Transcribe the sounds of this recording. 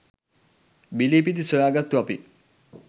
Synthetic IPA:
bilipid̪isojaːɡat̪ːuapi

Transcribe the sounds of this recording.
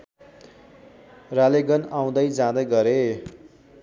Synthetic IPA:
raleɡʌnaw̃d̪ʌjd͡zãd̪ʌjɡʌɾe

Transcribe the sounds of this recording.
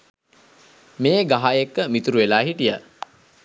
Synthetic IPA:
meːɡaɦajekːəmit̪uɾuʋelaːɦiʈijə

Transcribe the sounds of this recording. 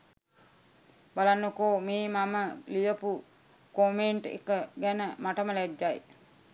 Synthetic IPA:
balanːokoːmeːmaməlijəpu | komeɳʈḛkəɡænəmaʈəməlæd͡ʒːaj

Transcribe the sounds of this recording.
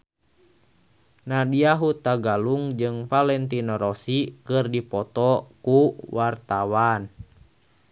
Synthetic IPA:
nadiaɦut̪aɡaluŋd͡ʒɨŋfalɛnt̪inɔɾɔsikɨrdipɔt̪ɔkuwart̪awan

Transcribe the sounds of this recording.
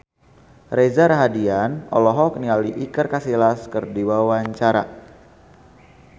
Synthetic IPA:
rezaɾaɦadianɔ̰lɔɦɔk̚nialiʔikərkasilaskərdiwawaɲt͡ʃaɾa̰

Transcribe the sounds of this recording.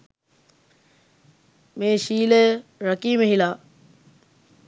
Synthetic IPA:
mẽːɕiːleɾəkiːmeɦilaː

